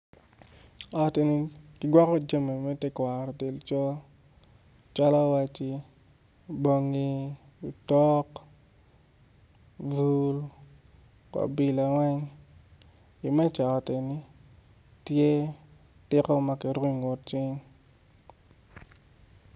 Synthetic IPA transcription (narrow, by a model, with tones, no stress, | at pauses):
ɔ˨te˨ni˦kɪ˨ɡwɔ˦kɔ˦d͡ʒa˦me˨mɛ˦tɛ˦kwa˨ɾɔ˨de˨lt͡ʃɔ˦ | t͡ʃa˦la˦wa˦t͡ʃi˦ | bo˨˦ŋi˦ | u˨tɔ˦k | vu˦l | ka̰˨bi˨la˨wɛ˦ŋ | i˨mɛ˦t͡ʃa˨ɔ˨tɛ˨ni˦ | tje˦ | tɪ˦kɔ˦ma˦ki˨ɾi˦˨ŋo˨t̚t͡ʃi˦ŋ